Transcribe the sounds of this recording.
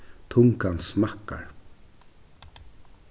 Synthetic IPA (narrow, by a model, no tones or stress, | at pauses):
t̪ʰʊŋkansmakːa̰ɹ